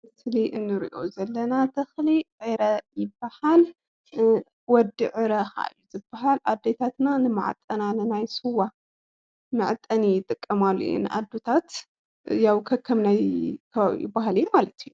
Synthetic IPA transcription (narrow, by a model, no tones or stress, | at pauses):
mɨsliʔɨnːɨɾḭʔo̞̰zɐlːɐnat̪ʰɐxliʕeɾɐjɪbːahal | wɔd̪ɨʕɨɾɐxa̰ɨ̰jːuzɨbːaɦalʔa̰d̪ːet̪ʰat̪nanɨmɨ̰ʕ̰t̪ʼːɐnanɨnajsɨwa | mɨʕt̪ʼːɐnijɪt̪ʼɨkʼːɐmalːujṵnɨ̰ʔa̰d̪ːot̪ʰat̪ | jawkʰɐkʰːɐmnajkʰɐβaβḭjɪ̰baɦalijːumalɐt̪ʰijːu